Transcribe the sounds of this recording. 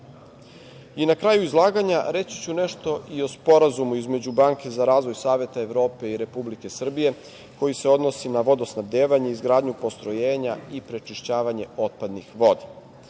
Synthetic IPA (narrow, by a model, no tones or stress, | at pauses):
inakɾajuizlˠaːɡaɲaɾe̞t͡ɕi̥t͡ɕune̞ʃt̪o̞ʔio̞spo̞ɾazumuizme̞d͡ʑubaːŋke̞zaɾaːzʋo̞jsaːʋje̞t̪ae̞ʋɾo̞ːpe̞iɾe̞publike̞sr̩bije̞ | ko̞jise̞o̞d̪no̞sinaʋo̞d̪osnabd̪eːʋaɲeizɡɾaːd̪ɲupo̞st̪ɾo̞jeːɲaipɾe̞t͡ʃiʃt͡ɕaːʋaɲe̞o̞t̪̚pad̪nixʋo̞d̪i̥